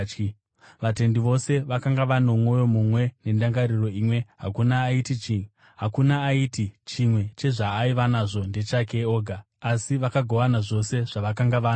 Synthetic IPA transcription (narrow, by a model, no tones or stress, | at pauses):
ʋate̞ndiʋo̞se̞ʋakaŋɡaʋano̞mo̞jo̞mumwe̞ne̞ndaŋɡaɾiro̞iːmwe̞ɦakunaːitit͡ʃi | ɦakunaːitit͡ʃimwe̞t͡ʃe̞ʐaːiʋanaʐo̞nde̞t͡ʃake̞o̞ːɡʱaː | siʋakaɡʱo̞ʋanaʐo̞se̞ʐ̥aʋakaŋɡaʋaːn